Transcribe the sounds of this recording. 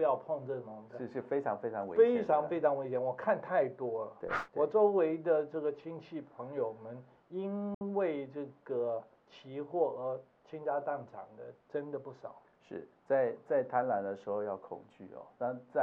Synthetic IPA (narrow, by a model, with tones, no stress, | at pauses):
jɑ˥˧ʊpʰɔ˥˧ŋʈ͡ʂɤ˥˩ɡə˩o˧˥ŋʂɻ̩˥˩ʂɻ̩˥˩fe˥ɪʈ͡ʂʰɑ˧˥ŋfe˥ɪʈ͡ʂʰɑ˧˦ŋwḛ˧˦e˥ɪʈ͡ʂʰɑ˧˥ŋfe˥ɪʈ͡ʂʰɑ˧˥ŋwe˧˥ɪɕjɛ˧˥nwɔ˨˩kʰa˥˧nt̪ʰa˥˩ɪt̪wɔ˥ə˩t̪ḛ˥˩wɔ˨˩ʈ͡ʂo˥ʊwe˧˥ɪd̪ə˧ʈ͡ʂɤ˥˩ɡə˩t͡ɕʰi˥ŋt͡ɕʰi˥˩pʰə˧˥ŋjo˨˩ʊmə˦n | i˥nwe˥˧ɪʈ͡ʂɤ˥˩ɡ̥ə˩ | t͡ɕʰi˧˥xwɔ˥˩ə˧˥ | t͡ɕʰi˥ŋt͡ɕja˥t̪ɑ˥˩ŋʈ͡ʂʰɑ˨˩ŋd̪ə̰˦ʈ͡ʂə˦˥nd̪ə˨pu˥˩ʂɑ˨˩˦ʊ | ʂɻ̩˥˩t͡sa˥˧ɪt͡sa˥˩ɪt̪ʰa˦˥nla˧˥nd̪ə˧ʂɻ̩˧˥xo˥˧ʊjɑ˥˩ʊkʰʊ̰˨˩ŋt͡ɕy̰˥˩ɔ̰˨˩na˥˧t͡sa˥˧